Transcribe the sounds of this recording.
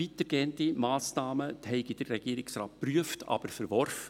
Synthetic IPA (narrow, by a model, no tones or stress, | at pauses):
itəɾɡeːəntimɑːsnɑːməhɛɪɡid̥əɾːɛɡ̥iəɾɪksrɑːt̚pryəftɑ̰b̥əɾfɛɾʋɔrfə